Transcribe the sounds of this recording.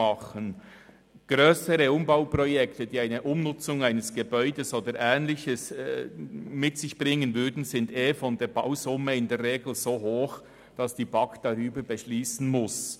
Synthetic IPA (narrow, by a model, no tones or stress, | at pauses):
ɑχən | ɡ̥ɾøːsəɾəʊmbaʊprɔjɛktəd̥iːaɪnəʔʊmnʊt͡sʊŋaɪnəsɡ̥ebɔʏdəsoːdəɾʔɛːnlɪçəs | mɪtsɪçb̥ʁɪŋənvʏɾdn̩zɪndeːfɔndeːɾbaʊzʊməɪndeːrʁeːɡl̩z̥oːhoːx | d̥ɑsd̥iːbɑkd̥ɑʁyːbəɾbɛʃliːsn̩mʊs